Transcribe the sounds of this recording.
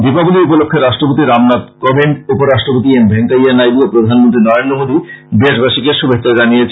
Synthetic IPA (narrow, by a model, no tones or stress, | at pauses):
d̪ipabuliupolokʰːeɾaʃʈɾopot̪iɾamnat̪kobenupoɾaʃʈɾopot̪̬iembʱeŋkajanajbiopɾod̪ʱanmont̪ɾinɔɾend̪ɾomod̪ibeʃbaʃikeʃubʱekːɕad͡ʑanijet͡ɕʰ